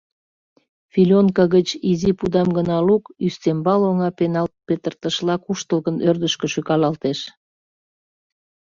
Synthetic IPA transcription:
filʲonkɑɣət͡ɕizipud̪ɑmɡənɑlukyst̪embɑloŋɑpenɑlt̪̚pet̪ərt̪əʃlɑkuʃt̪əlɣənørd̪əʃkə̆ʃykɑlɑlt̪eʃ

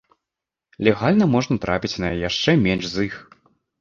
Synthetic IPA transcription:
lʲɛɣalʲnɐmɔʐnɐt̪ɾʔapʲit͡sʲnɐjɛjaʂt͡ʂɛmʲɛnʂzix

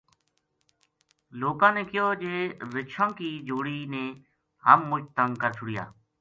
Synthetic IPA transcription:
loːkãːnẽːkɪjoːd͡ʒeːɾɪʃʰãːkiːd͡ʒoːɽiːneː | ɦəmːʊt͡ʃt̪əŋkəɾt͡ʃʰʊɽɪja̰ː

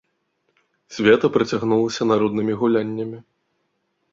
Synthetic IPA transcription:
sʲvʲɛt̪ɐpɾɨt͡sʲaɣnulˠɐsʲɐnaɾɔd̪nɨmʲiɣulʲanʲːɐmʲi

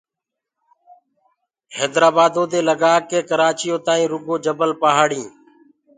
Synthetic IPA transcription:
heːd̪ɾaːbaːd̪oːd̪eːləɡaːkeːkəɾaːt͡ʃɪjõːt̪aːĩːɾʊɡoːd͡ʒəbəlpaːɦaːɽĩː

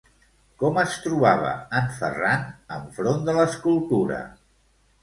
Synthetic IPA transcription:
kɔməst̪ɾuβaβ̞ə̰əɱfə̰ranəɱfɾond̪ələskulˠt̪uɾə̰

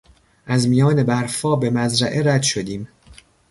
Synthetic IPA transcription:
ʔæzmijɒːne̞bæɾfɒːbe̞mæzɾæʔeɾæd̪ʃo̞d̪iːm

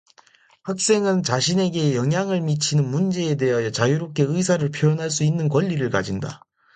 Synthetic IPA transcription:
hak̚s͈e̞ŋɯnt͡ɕaɕʰine̞ɡe̞jʌŋɦjaŋɯɭmit͡ɕʰinɯnmund͡ʑe̞ːde̞ɦajʌt͡ɕajuɾop̚k͈e̞ɯisʰaɾɯɭpʰjojʌnɦaɭs̬͈uinːɯnkwʌʎːiɾɯɭkad͡ʑinda̰

